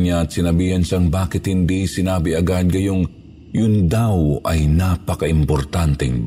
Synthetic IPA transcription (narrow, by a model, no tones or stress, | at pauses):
ɲɲaɐt̪sɪnɐbiːhanʃaŋbaːkɪt̪hɪnd̪isɪnaːbɪɐɡad̪̚ɡɐjoŋ | jʊnd̪awʔɐjnaːpɐkɐʔɪmpoɾt̪ant̪ɛŋ